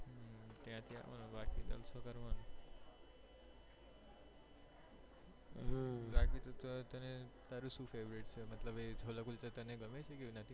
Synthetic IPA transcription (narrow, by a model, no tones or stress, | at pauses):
t̪jãt̪jão̰nbakid̪ə̰lsokəɾʋan | ɾakit̪ot̪t̪ənet̪aɾusũfʰeʋɾeʈt͡ʃʰemət̪ləbed͡ʒʱolakult͡ʃet̪əneɡəmet͡ʃʰekiʋnət̪ʰi